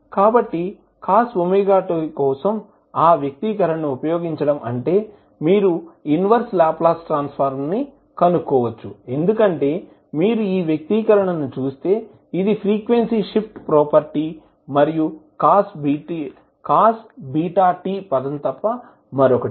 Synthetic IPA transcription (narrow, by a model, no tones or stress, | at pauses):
kaːbɐʈːi | kaːsumiɡaːʈokɔːsɐm | aːʋjɐk̚t̪ikɐɾɐɳɐnuupɐjoːɡiɲt͡ʃɐɽɐmʔɐɳʈe̞ː | miːɾuinʋɐɾslaːplaːsʈɾaːnspʰɐɾmni | kɐnukːɔːʋɐt͡ʃːue̞nd̪ukɐɳʈe̞ː | miːɾuiːʋjɐk̚t̪ikɐɾɐɳɐnːut͡ʃuːst̪e̞ː | id̪ipʰɾiːkʋensiʂip̚ʈpɾɔːpɐɾʈi | mɐɾijukaːsbii | kaːsbiːʈaːʈiːpɐd̪ɐnt̪ɐpːɐ | mɐɾɔkɐ